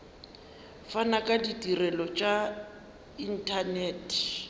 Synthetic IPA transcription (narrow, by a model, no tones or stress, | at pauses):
fanakʼaditʼirɛlɔt͡ʃʼa | in̩tʰanɛːtʰ